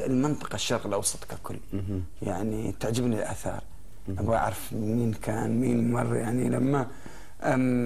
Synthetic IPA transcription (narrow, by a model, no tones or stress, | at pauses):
ɪlmɪnt̪ˤɑ̥qɑʃːɑɾˤqɪlʔɑwsˤɑ̥t̪ˤkakʰʊlː | jaʕnit̪aʕd͡ʒɪbnilʔaθɑ̰ːɾˤ | ʔabaa̰ʕɾˤɑfmiːnkʰaːnmiːnmɑrˤːjaʕnilamːa | ʔa